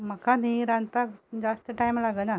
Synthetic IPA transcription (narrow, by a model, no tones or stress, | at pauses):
məkaniɾãnd̪pakd͡ʒast̪əʈajmlaɡəna